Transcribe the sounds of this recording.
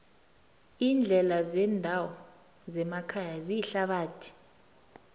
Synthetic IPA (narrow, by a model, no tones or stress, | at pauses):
iːnd͡ɮʱɛlazɛːndʱawɔ | zɛmakʰajazijiɬaɓaːtʰi̥